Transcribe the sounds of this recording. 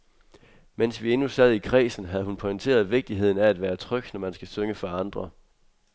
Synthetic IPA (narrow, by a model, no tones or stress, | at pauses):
men̰sʋie̝nusɛð̞̰ˠikʰʁɛ̰ːsn̩ɦæð̞ˠhunpʰɔint͡sʰe̝̰ːɐð̞ˠʋe̝ɡ̥̚d̥iɦe̝ð̞̰ˠn̩ææd̥ʋæːɐt͡sʰʁœɡ̥̚d̥nɒmænsɡ̥æsøŋəfɒɑ̈nd̥ʁɐ